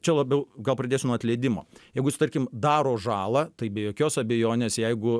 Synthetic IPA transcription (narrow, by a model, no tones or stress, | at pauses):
t͡ʃʲɛlˠɐbʲɛʊɡɐlˠpɾɐd̪ʲeːsʲʊnɔɐt̪ʲlʲɛɪd̪ʲɪmoːjɛɪɡʊsɪ̥t̪ɐɾʲkʲɪmd̪ɑːɾoːʒɑːlˠɑt̪ɐɪbʲeːjoːkʲoːsɐbʲɛjoːnʲeːsjɛɪɡʊ